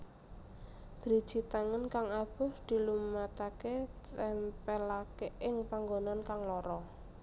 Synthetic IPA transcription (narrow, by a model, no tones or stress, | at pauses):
d̪̥ɾid̥ʒ̥i̤t̪aŋənkaŋab̥ʊ̤hd̪̥i̤lumat̪aket̪ɛmpɛlakeʔɪŋpaŋɡonankaŋlɔɾɔ